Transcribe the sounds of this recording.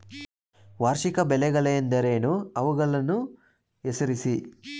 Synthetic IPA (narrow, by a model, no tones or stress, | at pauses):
ʋaːɾʂikɐbelɛɡɐleɐnd̪ɐɾeːnuɐʋuɡɐlɐnu | esɐɾisi